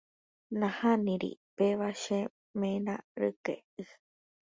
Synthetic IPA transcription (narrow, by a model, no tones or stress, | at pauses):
nãhãnĩɾḭpeβaʃe | mẽnã̰ɾɨ̰kḛ | ɨ